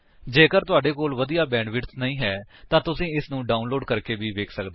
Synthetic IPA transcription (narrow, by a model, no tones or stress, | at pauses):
d͡ʒeːkəɾt̪ʊaːɖeːkoːlʋəd̪ijaːbɛ̃ːɖʋɪʈsnəĩːɦɛː | t̪ãːt̪ʊsĩːɪsnũːɖaːnloːɖkəɾkeːʋiːʋeːkʰsəkd̪eː